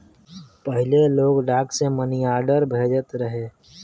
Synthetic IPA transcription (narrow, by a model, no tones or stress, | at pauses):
pəɦɪleloːɡɖaːkseməniaːɾɖəɾbʱeːd͡ʒət̪ɾəɦeː